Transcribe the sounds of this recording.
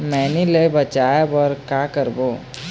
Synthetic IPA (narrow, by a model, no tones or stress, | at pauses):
mɛːnilebət͡ʃajebɔɾkakəɾboː